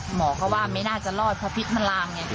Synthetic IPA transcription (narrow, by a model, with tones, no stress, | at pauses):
mɔː˩˦kɔː˥˩waː˥˩ma˥˩jnaː˥˩t͡ɕa˨lɔː˥˩t̪̚pʰɔː˧˥˩pʰi˦˥k̪̚ma˧nlaː˧ŋɲɛ˧˩